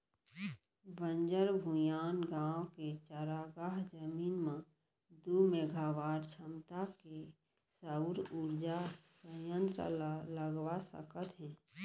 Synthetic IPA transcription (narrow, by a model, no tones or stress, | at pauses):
bə̃nd͡ʒəɾbʱujaːnɡãːwoket͡ʃəɾaɡaɦd͡ʒəmiːnmã | d̪umeɡaʋaːɾt͡ʃʰəmt̪ake | səɾuɾd͡ʒasə̃jə̃nt̪ɾə̰ləɡʋasə̰kət̪ɦɛ̃ː